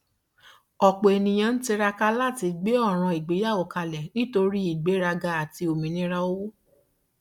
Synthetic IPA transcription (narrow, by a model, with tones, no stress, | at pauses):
ɔ˨k͡po˨e˨nĩ˨j̃ã˧n̩˦ti˧ɾa˧ka˧la˦˨ti˨˧ɡ͡be˦ɔ˦˨ɾ̃ã˧i˨ɡ͡be˨˦ja˦˨o˨ka˧lɛ˨nĩ˦to˧ɾi˦i˦˨ɡ͡be˨˦ɾa˧ɡa˧a˨ti˧o˨mĩ˨nĩ˦ɾa˧o˦wo˦